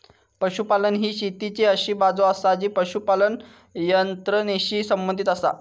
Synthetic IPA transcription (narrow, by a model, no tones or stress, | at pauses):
pəɕupalənɦiːɕit̪it͡seəɕiːbad͡zoasad͡ʑiːpəɕupalən | jənt̪ɾəneɕiːsəmbənd̪ʱit̪əsa̰